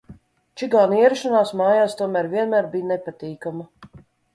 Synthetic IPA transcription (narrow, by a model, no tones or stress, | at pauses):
t͡ʃiɡaːniɛɾɛʃanaːsmaːjaːst̪uɔmæːɾviɛnmæːɾbʲijnepat̪iːkama